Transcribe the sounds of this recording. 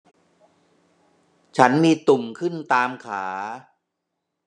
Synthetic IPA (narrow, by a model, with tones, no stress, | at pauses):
t͡ɕʰa˦˥nmiː˧t̪u˨˩mkʰɯ˥˩nt̪aː˧mkʰaː˩˦